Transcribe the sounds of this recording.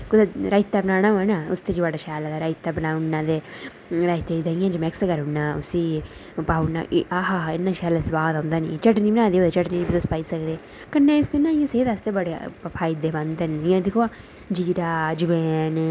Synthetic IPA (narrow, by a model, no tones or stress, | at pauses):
kʊd̪aɾaːɪt̪ːaːbənaːɽ̃ãːɛ̃naːʊ̰st̪eːd͡ʒbaːɖaːʃaːlaːd̪aːɾaːɪt̪ːaːbənaːʊnːãːd̪eː | ɾaːɪt̪eːd͡ʒd̪ãːɪ̃jãːd͡ʒəmɛkskəɾɦʊnːaːʊ̰siː | paːʊnːa̰ːʔaːɦaːɪnːãːʃɛːlasəbaːd̪ãːnd̪aːnḭ̃ːt͡ʃəʈnĩːbənãːd̪eːoːd̪eːt͡ʃəʈniːibsospaːiːsəkd̪eː | kənːẽːɪskənːaːɪjãːseːd̪ast̪eːbəɽḛːpʰaːɪd̪eːbãnd̪nɪjãːd̪ɪkʰoaː | d͡ʒiːɾaːd͡ʒɪʋɛːn